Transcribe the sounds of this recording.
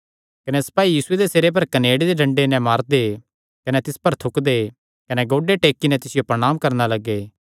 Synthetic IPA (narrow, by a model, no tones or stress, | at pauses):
kɐnɛsɐ̥paːijiːsʊed̪eseːɾep̬ɐɾkɐneːɽed̪eɖʱɐ̃ɳɖenɛ̃maːɾd̪e | kɐnɛt̪ɪspɐɾt̪ʰʊkd̪e | kɐnɛɡoːɖeʈeːkːinɛ̃t̪ɪsɪjopɾɐɽ̃aːmkɐɾnalɐɡːeː